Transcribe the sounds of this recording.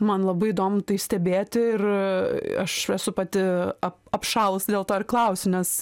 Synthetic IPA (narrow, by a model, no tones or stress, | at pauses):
mɐnlˠɐbɐɪɪd̪oːmʊt̪ɐɪsʲt̪ʲɛbʲeːt̪ʲɪɪr | ɐʃɛsʊpɐt̪ʲɪɐpɐpʃɑːlˠʊsd̪ʲeːlˠt̪oːɪɾklˠɐʊsʲɪnʲɛs